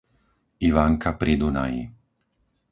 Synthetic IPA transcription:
iʋaːŋkʰapɾid̪una̰jḭ

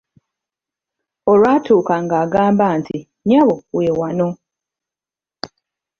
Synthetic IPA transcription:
oɾwaːtʰuːkaŋɡaːɡaːmbaːnti | ɲaβoweːwano

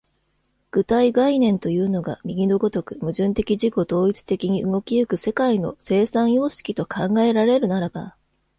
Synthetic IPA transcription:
ɡ̥ɯ̟t̪aiɡainẽ̞nt̪o̞jɯ̟ːno̞ɡa̰mʲiɡʲid̪o̞ɡo̞t̪o̞kɯ̟mɯ̟ʑɨ̃nt̪e̞kʲiʑiko̞d̪o̞ːit͡sɨ̥t̪e̞kʲiɲ̟iʔɯŋo̞kʲijɯ̟kɯ̟se̞kaino̞̰se̞ːsãɰ̃jo̞ːɕi̥kʲit̪o̞kʰãŋɡae̞ɾaɾe̞ɾɯ̟naɾaba̰

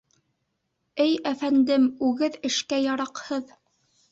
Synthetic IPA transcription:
ɘjæfænd̪ɘmʉɣɘðɘ̆ʃkæjɑɾɑqhɤð

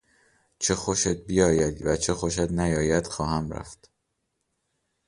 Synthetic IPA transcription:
t͡ʃʰexoʃet̪̚bijɒːjæd̪væt͡ʃʰexo̞ʃ̬æt̪næjɒːjæd̪̥xɒːhæmɾæ̰ft̪

